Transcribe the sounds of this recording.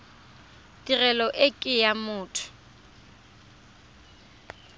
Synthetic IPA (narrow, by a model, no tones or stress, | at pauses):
tʼirɛlɔʔɪkʼɪjamʊːtʰʊ̥